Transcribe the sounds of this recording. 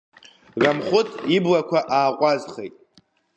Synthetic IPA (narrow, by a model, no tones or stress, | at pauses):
ramχʷʊtʰʼiblakʷʰaʔaːqʷʼazχejtʼ